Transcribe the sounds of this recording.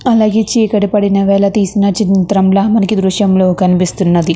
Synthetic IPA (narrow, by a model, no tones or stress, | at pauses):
ɐlaːɡeːt͡ʃeːkɐɽipɐɽinɐʋɛːlɐt̪iːsinɐt͡ʃint̪ɾɐmlaːmɐnɐkid̪ɾuʃɐmlo̞ːkɐnipist̪unːɐd̪i